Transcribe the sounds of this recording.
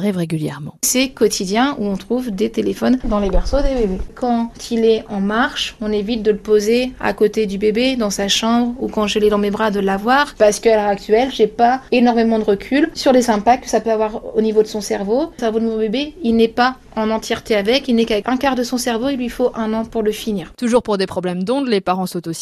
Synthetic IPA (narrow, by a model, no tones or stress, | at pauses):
ʁɛvʁeɡʲyljɛ̰ʁmɑ̃sɛkɔt̪ʰid̪jɛ̃uɔ̃t̪χuvd̪et̪elefɔnd̪ɑ̃lebɛʁsod̪ebebekʰɑ̃t̪ʰilɛɑ̃maʁʃɔ̃nevit̪̚d̪ələpozea̰kot̪ed̪ybebed̪ɑ̃saʃɑ̃bʁukɑ̃ʒəlɛd̪ɑ̃mebʁad̪əlavwaʁpaʁsə̥kəalœʁak̚t̪ɥɛlʒepaenɔʁmemɑ̃d̪əʁəkʲʰylsyʁlezɛ̃pakt̪kəsapøavwaʁonivod̪əsɔ̃sɛʁvosɛʁvod̪əmɔ̃bebeilnɛpa | ɑ̃nɑ̃t̪jɛʁt̪eavɛkilnɛkavɛkɛ̃kaʁd̪əsɔ̃sɛʁvoilɥifoʔɛ̃nɑ̃puʁləfiniːʁt̪uʒuʁpuʁd̪epχɔblɛmd̪ɔ̃d̪lepaʁɑ̃sot̪osi̥